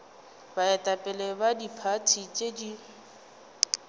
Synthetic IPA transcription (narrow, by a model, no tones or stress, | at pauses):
baɛtʼapʼɛlɛbadipʰatʰit͡ʃʼedi